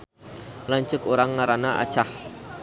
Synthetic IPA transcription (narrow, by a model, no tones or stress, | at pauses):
laɲt͡ʃʊkoɾaŋːaɾanaʔa̰̥t͡ʃah